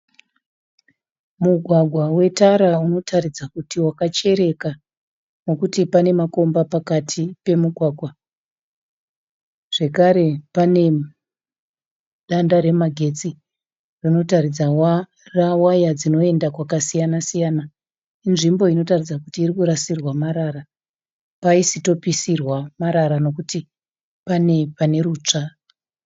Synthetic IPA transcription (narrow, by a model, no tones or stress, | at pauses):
muɡʱwaɡʱwawe̞taɾauno̞tʰarid͡zakutiwakat͡ʃe̞ɾe̞ka | no̞kutipane̞mako̞mbapakatʰipe̞muɡʱwaːɡʱwa | ʐ̥e̞kaɾe̞pane̞ | ɗandaɾe̞maɡʱe̞t͡si | rino̞tarid͡zawa | rawajad͡zino̞e̞ndakwakasijanasijana | inʐimbo̞ino̞tarid͡zakutiːrikuɾasirwamaɾaɾa | paisito̞pisirwamaɾaɾano̞kuti | pane̞pane̞ɾuːt͡ʂa